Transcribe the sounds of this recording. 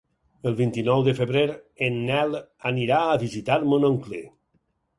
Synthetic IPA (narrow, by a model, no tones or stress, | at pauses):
əlˠβint̪inɔwðəfeβɾeɾenːɛl | aniɾaəβizit̪aɾmonoŋkle